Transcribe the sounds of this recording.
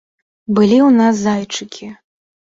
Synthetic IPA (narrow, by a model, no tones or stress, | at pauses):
bɨlʲiwnas̬ːajt͡ʂɨkʲʰi